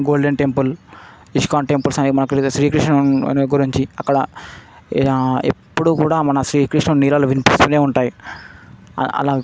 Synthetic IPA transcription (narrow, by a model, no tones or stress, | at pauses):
ɡoːlɖeɳʈempul | iʂkaːɳʈempulsɐniimɐnɐksɾiːkɾiʂʈɳɐɡuɾiɲt͡ʃiɐkːɐɽɐ | epːuɽuːkuːɽaːmɐnɐsɾiːkɾiʂʈnɐniːlaːluʋinpispule̞ːuɳʈaːjḭ | ɐ̰laː